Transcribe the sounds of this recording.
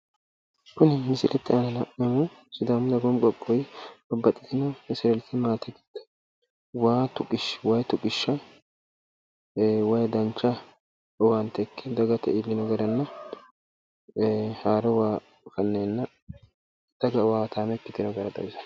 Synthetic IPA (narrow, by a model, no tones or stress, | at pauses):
kʊnɪmɪsɪlʔɛt̪ːɪɐnɐnɐʔɛmʊ | sʊd̪aːmd̪ɐɡɔmkʼɔkʼːɔjbɐbːɐt̪ʼːɪt̪ɪnɐmɪsɪɾɛlt̪ːɪmaːt̪ɛɡɪ̥t̪ːɐ̥ | waːt̪ʊkʼɪʃwɐjt̪ʊkʼːɪʃːɐ | wɐjd̪ɐnt͡ʃːɐ | ɔwant̪ɛkʰːɛd̪ɐɡɐt̪ɛʔɪlːɪnɐɡɐɾɐnːɐ | haːɾɔwaː | fɐnːeːnːɐ | d̪̥ɐɡɐwaːt̪ʰaːmɛkːɪt̪ːɪnɐɡɐɾɐd̪ɐ̰ɪsɐ̥